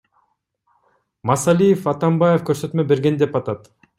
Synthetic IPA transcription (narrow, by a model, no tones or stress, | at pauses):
mɑsɑlʲijefɑt̪ɑmbajefkøɾsø̞t̪mø̞be̞ɾɡe̞nd̪epɑt̪ɑt̪